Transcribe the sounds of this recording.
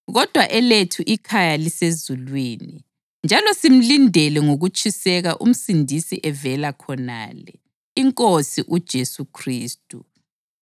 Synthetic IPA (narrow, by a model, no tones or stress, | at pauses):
ɣɔd̥ʱwaʔɛletʰuʔikʰajalisezulwiːni | nd͡ʒʱalɔsim̩lindʱɛlɛŋoɣut͡ʃʼʰisɛɣaʔṵm̩sindʱisiʔɛvɛlakʰɔna̰lɛ | iŋkʼosiʔud̥ʒ̥ʱesukʰriːstʼu